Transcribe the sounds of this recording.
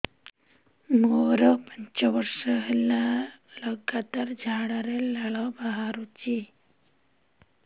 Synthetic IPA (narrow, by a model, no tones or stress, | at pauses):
moɾəpəɲt͡ɕɔʋəɾʃəɦelaləɡat̪aɾd͡ʒʱaɽaɾelaɭɔbaɦaɾut͡ɕi